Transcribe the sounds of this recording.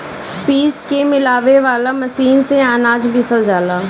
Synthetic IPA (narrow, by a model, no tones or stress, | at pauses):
piːskemɪlaːʋeʋaːlamɐsiːnseanaːd͡ʒbʱisəld͡ʒaːlaː